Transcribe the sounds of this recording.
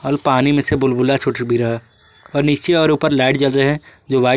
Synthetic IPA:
əlpaːnimẽsebʊlbʊlat͡ʃʰʊʈbʱiɾɐɦa | ɔːɾnist͡ʃeɔːɾuːpəɾlaːɪʈ̚t͡ʃɐlɾəɛ̃d͡ʒoːʋaː

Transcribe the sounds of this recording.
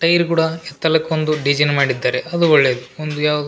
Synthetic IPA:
ʈɐjɾkuːɽɐɛt̪ːɐlɐkʋond̪uɖid͡ʒɐnmaːɽid̪ːaːɾeɐd̪uɔɭːeːd̪uond̪ujaːʋud̪u

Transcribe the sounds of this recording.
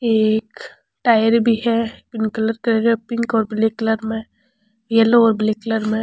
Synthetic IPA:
eːk | ʈaːjəɾbʱiɦɛbɪnkələɾkɾeɾepɪ̃ŋkɔːɾbɪlekləɾmẽ | jeloːɾblekləɾmẽ

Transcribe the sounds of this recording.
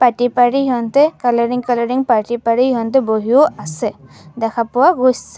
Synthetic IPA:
patipaɹiɔnt̪ɛkalɔɹiŋkalɔɹiŋpaʈipaɹiɔnt̪ɛboɦiʊasɛ | d̪ɛkʰapʊwaɡossɛ

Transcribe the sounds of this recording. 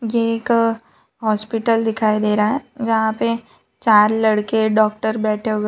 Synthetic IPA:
jeeːk | ɦɔːspɪʈəld̪ɪkʰaːid̪eːɾaɦɛd͡ʒɐɦãpe | t͡ʃaːɾlɐɽkeɖɔːk̚ʈəɾbɛːʈʰeɦoe

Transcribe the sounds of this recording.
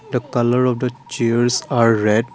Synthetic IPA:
d̪əkʌləɾɔʋd̪ət͡ʃiəɾsaɾːɛɖ

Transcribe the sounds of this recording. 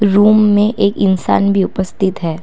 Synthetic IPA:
ɾuːmːẽʔeːkɪnsa̰ːnbʱiʊpəst̪ʰɪt̪ɦɛː

